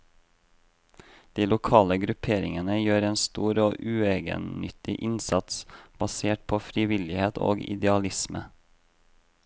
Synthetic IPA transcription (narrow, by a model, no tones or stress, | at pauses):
d̪̥iːlʊkʰɑːləɡɾʉpʰeːɾɪŋənəjøːɾeːnst̪uːɾoːʔʉːeːɡə̰nnʏt̪ɪʔɪnsɑt̪sb̥ɑseːʈ̚pʰoːfɾɪʋɪlɪheːt̪ʰo̰ːɡɪ̰d̪ɛɑlɪsmə̰